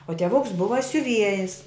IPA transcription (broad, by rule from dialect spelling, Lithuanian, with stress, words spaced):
oː tʲiɛˈʋʊks ˈbʊʋɐ sʲʊˈʋʲiɛjɪs